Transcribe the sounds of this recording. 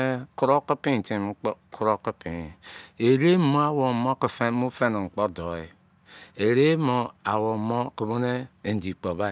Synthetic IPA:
ku˦ɾo˦ki˦pi˦˨ti˨m˦kʰu˦ɾo˦ki˦pi˨e˨ɾe˦mo˦a˦wo˨mo˦ki˨fe˦mu˦fe˦n˨ŋ͡m̩˨k͡po˦do˨i˨ | e˨ɾe˦mo˨a˨wo˨mo˦ki˨bo˦ne˦e˨n̩˨di˨k͡po˨βa˦˨

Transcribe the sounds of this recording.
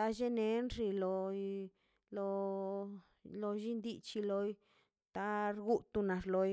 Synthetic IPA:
a˦ʒe˦ne˧˦nɾi˧lo˧ | lo˧ | lo˧ʒi˦nd̪i˧t͡ʃi˧lo˧j | t̪a˦ɾɡu˦t̪u˧na˨ɾlo˧j

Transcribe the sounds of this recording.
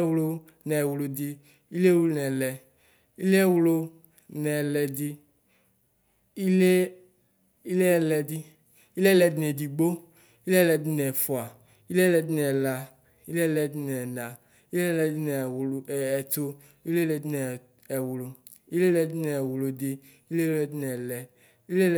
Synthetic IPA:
wlo˧ | nɛ˨wu˨˧lo˧di˧ | i˦le˦wu˦o˦nɛ˨lɛ˧ | i˦le˦ɛ˦˨wu˧˦lo˧ | nɛ˨lɛ˧di˧ | i˦le˦ | i˦le˦ɛ˧˨lɛ˧di˧ | i˦le˦lɛ˧di˦nɛ˨di˧ɡ͡bo˦ | i˦le˦lɛ˧di˦nɛ˨fu˨a˨ | i˦le˦ɛ˦˨lɛ˧di˦nɛ˨la˧ | i˦le˦ɛ˦lɛ˧di˧nɛ˨na˨ | i˦le˦lɛ˧di˦nɛ˨wɛ˨to˧ | i˦le˦lɛ˧di˦nɛ˨ | ɛ˨wu˨lo˧ | i˦le˦lɛ˧di˦nɛ˨wu˨lo˧di˧ | i˦le˦˧lɛ˧˨di˦nɛ˨lɛ˧ | i˦le˦

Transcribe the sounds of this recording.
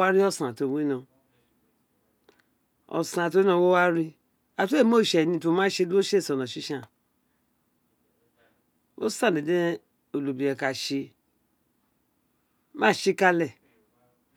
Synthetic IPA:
wa˦ɾi˦ɔ˦˨sã˨to˨˧˨wi˦nɔ̃˧˨ | ɔ̰˨sã˨to˦nɔ̃˧˨wo˦wa˦ɾi˦ | a˨tu˦e˦˨mo˦˨ʃɛ˨nĩ˧˦to˧˦mã˦ʃe˧˦lu˦o˦ʃe˦˨sɔ˨nɔ̃˨ʃi˦ʃã˦˨ | o̰˦sã˦˨de˨de˦ | o˨lu˨bi˨jɛ˨ka˨ʃe˧˦ | mãː˦˨ʃi˦ka˧lɛ˨

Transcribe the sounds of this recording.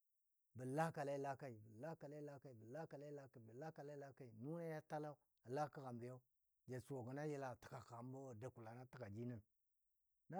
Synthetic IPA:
bə˨la˦ka˨la˦i˦la˦ka˦i˨bə˨la˦ka˨la˦i˦la˦ka˦i˨bə˨la˦ka˨la˦i˦la˦ka˨bə˨la˦ka˨la˦la˦ka˦i˨nu˦na˦ja˦ta˦la˦u˦ | a˨la˦ka˦ɣa˨mbi˨ja˦u˦ | d͡ʒe˨su˨wo˨ɡə˨na˦ji˦la˨tə̥˨ka˨xa˨m˦bo˦˨da˨ku˨la˨na˦tə˦ka˨d͡ʒi˦nə˦n | na˦

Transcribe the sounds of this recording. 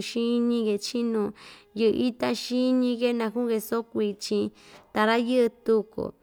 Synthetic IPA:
ʃĩ˦nĩ˦ɣe˧t͡ʃi˦nũ˧jɨ˧ʔʔi˦t̪a˦ʃi˦ɲĩ˦ɣe˦nã˧ku˦ɣe˧so˦kʷi˧t͡ʃĩ˧t̪a˧ɾa˦jɨ˦ʔɨ˧t̪u˧ko̰˨

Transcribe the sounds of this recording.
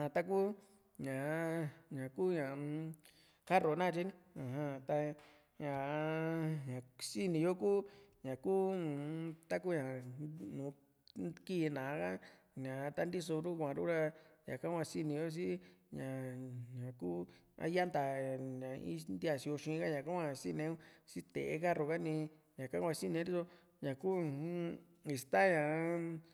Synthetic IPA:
ã˧t̪a˦k̬u˦ | ɲã˨ɲã˨kuː˦ɲã˨ | ka˦ro˨nã˦˨˧t͡ʃi˦ñ˦ã˨ɦã˧t̪a˧ | ɲã˨ | ɲã˨si˦nĩ˧jo˦ku˦ɲã˨ku˦˨ | t̪a˦k̬u˦ɲã˨nũː˨˧ | ki˦˧nã˨˦ka˦ | ɲã˨˧t̪a˦nd̪i˦so˧ɾu˦kʷã˨ɾu˦ɾa˧ɲã̰˨ka˦kʷã˧si˦nĩ˧jo˦s̬i˦ɲã˨ɲã˨ku˦ | a̰˦ja˦nd̪a˨ɲã˨ḭ˦nd̪i˦a˧ʃi˧o˧ʃĩ˧ka˦ɲã˨ka˦kʷa˦˧si˦nẽ˧˦u˦si˦t̪ḛ˨ḛ˧˦ka˦ɾo˧˨ka˦nĩ˧ | ɲã˨kã˦ã˧si˦nĩ˧˦di˦so˧ | ɲã˨ku˦ | i˨˧t̪a˦ɲã˨

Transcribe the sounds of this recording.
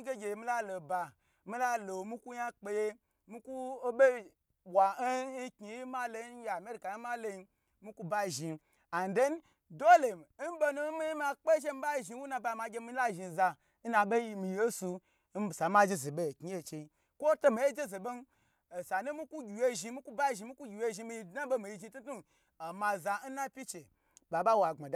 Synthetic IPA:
ɡʲe˦ɡʲe˧je˨mi˦la˦lo˨ba˨ | mi˦la˦lo˨mi˦ku˦ɲa˦k͡pe˧je˦ | mi˦ku˦ɓe˦ | bʷwa˨˦ki˨ji˦ma˦lo˨˦je˨a˨me˦ɾi˨ka˨ji˦ma˦lo˦i˦ | mi˦kʷu˦ba˦˨ʒi˨ | a˨n˨de˦n˦ | do˦le˨m˨˦n̩˦be˦nu˦mi˦ji˦ma˨k͡pe˦ʒe˦mi˨˦ba˦˨ʒi˨wu˦na˧˨ba˨˧˨ma˧ɡʲe˧mi˦la˦ʒi˨za˧˦ | na˧be˦ji˧mi˧je˦su˧ | n˦˨sa˨ma˦d͡ʒe˦ze˨be˦˨ki˨˦je˦t͡ʃe˨i˦ | kʷo˦to˦mi˨e˦d͡ʒe˦ze˨be˦n˨ | sa˨˦nu˦mi˦ku˦ɡʲi˨je˦ʒi˧mi˦ku˦ba˦˨ʒi˨˧mi˦ku˦ɡʲi˨je˦ʒi˧mi˧ji˧dna˦bo˦mi˨ji˦˧ʒi˧˦tu˦tu˦n | a˨ma˧za˧n̩˦na˦pʲi˦t͡ʃe˨ | ba˨ba˦wa˨ŋ͡ma˨d

